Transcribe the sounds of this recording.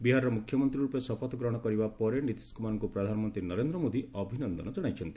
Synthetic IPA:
biɦaɾɔɾɔmukʰjɔmɔnt̪ɾiɾupesɔpɔt̪ɔɡɾɔɦɔɽ̃ɔkɔɾibapɔɾenit̪i̥skumanɔŋkupɾɔd̪ʱanɔmɔnt̪ɾinɔɾend̪ɾɔmod̪iɔbʱinɔnd̪ɔnɔd͡ʒɔɽ̃ajt͡ʃʰɔnt̪i̥

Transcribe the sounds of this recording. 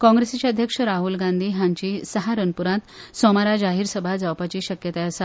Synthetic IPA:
kɔ̃ŋɡɾesat͡ɕaəd̪ʱjəkʂəɾaɦulɡãnd̪ʱiːɦãɲt͡ɕisəɦaɾənpuɾãt̪sɔmaɾad͡ʑaɦiːɾsəbʱad͡zawpat͡ɕiːɕəkjət̪aəsa

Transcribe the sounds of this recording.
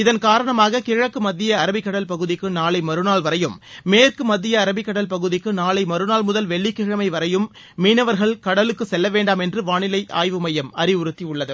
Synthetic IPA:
ɪðɐnkaːɾɐɳɐmaːɣɐkɪɻɐkːɯmɐðːɪjɐɐɾɐbɪkːɐɽɐlpɐɣɯðɪkːɯnaːɭɐɪmɐɾɯnaːɭʋɐɾɐjɯmːeːrkɯmɐd̪ðːɪjɐːɾɐbɪkːɐɽɐlpɐɣɯðɪkːɯnaːɭɐɪmɐɾɯnaːlmʊðɐlʋɛɭːɪkːɪɻɐmɐɪʋɐɾɐjɯmː | iːnɐʋɐɾɣɐɭkɐɽɐlɯkːɯsɛlːɐʋeːɳɖaːmɛndrɯʋaːɳɪlɐɪʔa̰ːjʋɯmɐjɐmɐɾɪʊɾɯt̪ːiʊɭːɐðɯ

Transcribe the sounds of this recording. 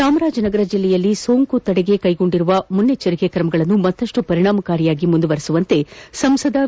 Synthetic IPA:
saːmɐɾaːd͡ʒɐnɐɡɐɾɐd͡ʒilːɛjɐlːiso̞ːŋkut̪ɐɽeɡe̞kɐjɡo̞ɳɖiɾuʋɐmunːet͡ʃɐɾikekɾɐmɐɡɐɭɐnːumɐt̪ːɐʂʈupɐɾiɳaːmɐkaːɾijaːɡimund̪uʋɐɾisuʋɐnt̪e̞sɐmsɐd̪ɐ

